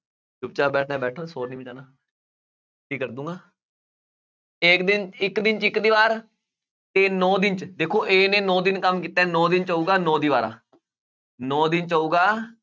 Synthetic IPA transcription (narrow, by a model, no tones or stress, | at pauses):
t͡ʃʊp̚t͡ʃaːbɛːʈʰnaːbɛːʈʰõːsoːɾnĩːbəd͡ʒaːnaː | ʈʰiːkːəɾd̪ũːŋɡaː | ɪːkd̪ɪnɪkd̪ɪnt͡ʃɪkd̪iːʋaːɾ | t̪eːnɔːd̪ɪnt͡ʃd̪eːkʰoːʔeːnẽːnɔ̃ːd̪ɪnkəmkiːt̪aɛnɔ̃ːd̪ɪnt͡ʃaːuːɡaːnɔ̃ːd̪iːʋaːɾa̰ː | nɔːd̪ɪnt͡ʃaːuːɡaː